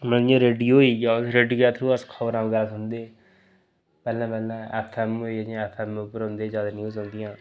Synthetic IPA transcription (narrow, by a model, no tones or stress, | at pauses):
məljãːɾeːɖiːoːiːɡaːɾeːɖiɡɛːt̪ʰɾũəskʰəbəɾãːɡəlsʊ̃nd̪eː | pɛːlãːpɛːlãːɛ̰ːpʰɛːmoːiːəãɛːpʰɛːmːpəɾɦõːnd̪eːzjaːd̪aːnjuːzõːnd̪ɪjãː